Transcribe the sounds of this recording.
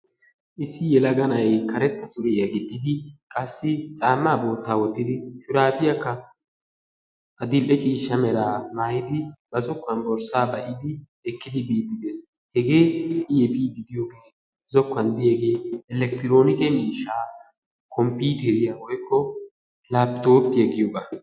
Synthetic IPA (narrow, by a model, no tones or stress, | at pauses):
ʔɪsːɪjɛlɐɡɐnɐjkɐɾɛt̪ːɐsʊɾɛjɐɡɪd̪ːɪd̪ɪkʼɐsːɪt͡sʼaːmːaːbo̞ːt̪ːaːwɔt̪ːɪd̪ɪt͡ʃʼʊɾaːbɪjɐkːɐ | ʔɐd̪ɪlʔɛt͡ʃʼiːʃːɐmɛɾaːmaːjɪd̪ɪbɐzɔkːɐnbɔɾsaːbɐʔɪd̪ɪ | ɛkːɪd̪ɪbiːd̪ːɪd̪e̞ːs | hɛɡeːɪjɛbiːd̪ɪd̪ɪjoːɡeː | zɔkːɐnd̪ɪjɛɡe̞ːɛlɛkt̪ɪɾo̞ːnɪkɛmiːʃːaː | kʰɔmpiːt̪ɛɾɪjawɔjkʰːɔ | laːpt̪o̞ːpːɪjɛɡɪjoːɡɐ